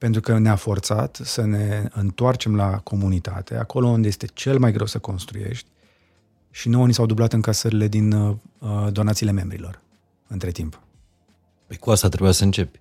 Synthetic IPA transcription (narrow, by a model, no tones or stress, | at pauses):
pent̪ɾukəneafo̞rt̪sat̪səne̞ɨnt̪oart͡ʃe̞mlakʰo̞munit̪a̰t̪e̞̰a̰ko̞lo̞und̪ejest̪e̞t͡ʃe̞lmajɡɾe̞wsəko̞nst̪ɾṵje̞̰ʃt̪ʲ | ʃino̞jnisawd̪ublat̪ɨŋkasəɾile̞d̪in | d̪o̞nat̪siːle̞me̞mbɾḭlo̞r | ɨnt̪ɾe̞t̪imp | pejkuast̪at̪ɾebujasəɨnt͡ʃe̞pʲ